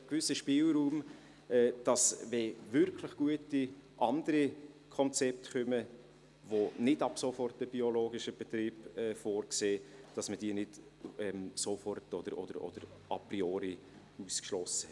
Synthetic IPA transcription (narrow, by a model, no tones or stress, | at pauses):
kvʏsəʃpiːlɾuːm | ɛːd̥ɑsvɛvʏɾkʰləχɡ̥uətiʔɑnd̥̪əɾi | kʰɔnt͡sɛp̚tχœmə | ʋonɪdɑb̥sofɔrt̚d̥əb̥ioloːɡɪʃəb̥ɛtɾiːb̥ɛːfoːɾkseːd̥ɑsməd̥iːnɪtɛmsofɔrtɔd̥̪əɾɔ̰d̥əɾɔ̰d̥əɾ | ʔɑ̰prioːɾi | uskʃlɔsə